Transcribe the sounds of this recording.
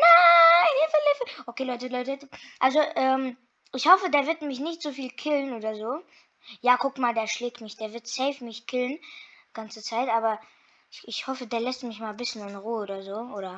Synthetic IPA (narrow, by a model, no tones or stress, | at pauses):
naɪnifɛlɪfəʔokʰeːlɔʏtəlɔʏtəʔalzoʔɛːm | ʔɪçhɔfədeːɐvɪɐtmɪçnɪçtz̥ofiːlkʰɪlənʔoːdɐzoː | jaːkʰʊkmaːldeːɐʃlɛːk̚tmɪçd̥eːɐvɪɐtsɛɪfmɪçkʰɪlən | ɡ̥ant͡sət͡saɪtʔaːbɐ | ɪçɪçhɔfədeːɐlɛstmɪçmaːlbɪsçənɪnʁuːoːdɐzoːʔoːɾɐ